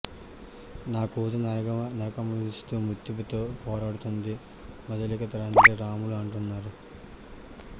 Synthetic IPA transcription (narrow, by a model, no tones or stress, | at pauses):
naːkuːd̪unnɐɾɐkɐmɐist̪umut̪ːiʋut̪oːpɔːɾaːɽut̪und̪i | mɐd̪ɐlikɐt̪ɐɾɐnt̪ɾeɾaːmuluɐɳʈunːaːɾu